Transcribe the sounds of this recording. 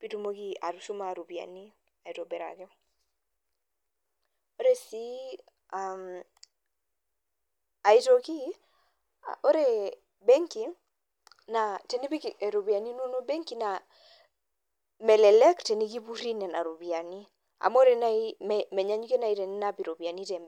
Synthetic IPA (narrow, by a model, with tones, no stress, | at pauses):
pi˨tu˨mo˦ki˦a̰˨ɾu˨su˦ma˨ɾu˨bi˨a̰˨ni˦ | a˨i˨to˨bɛ˨ɾa̰˨kɪ˦ | o˦ɾe˨si˦ | am | a˨i˦to˨ki˦ | ʔo˦ɾe˨ | be˦ŋki˨ | na˨te˨ni˦bi˦ke˨ɾo˨bia˨ni˦no˦no˦be˦ŋki˨na | mɛ˨lɛ˨lɛ˦kte˨ni˦ki˦bu˦ɾi˦nɛ˨na˨ɾu˨bi˨a˨ni˦ | a̰˨mo˦ɾe˨na˦immɛ˨ɲa˦ɲ˦ke˦na˨i˦te˨ni˦napi˨ɾo˨bi˨a˨ni˦tɛ˨m